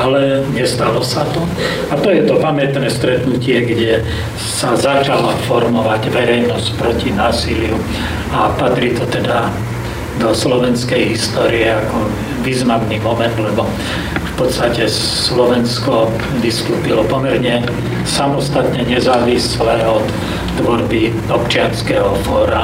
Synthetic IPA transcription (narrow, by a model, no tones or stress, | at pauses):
alɛɲɛst̪alɔsat̪ɔ | at̪ɔjɛt̪ɔpamɪɛt̪nɛːst̪ɾɛt̪nucɪɛɡɟɛ | sazat͡ʃalafɔɾmɔʋaɟʋɛɾɛjnɔsc̚pɾɔcinaːsilɪu | apat̪ɾiːt̪ɔt̪ɛd̪a | d̪ɔslɔʋɛnskɛjɦist̪ɔːɾiɛakɔ | ʋiːznamnimɔmɛnd̪lɛbɔ | fpɔt̪st̪acɛ | slɔʋɛnskɔp | d̪iskupilɔpɔmɛɾɲɛ | samɔst̪at̪ɲɛɲɛzaːʋislɛɔt̪ː | ʋɔɾbi | ɔpt͡ʃɪanskɛɦɔfɔːɾa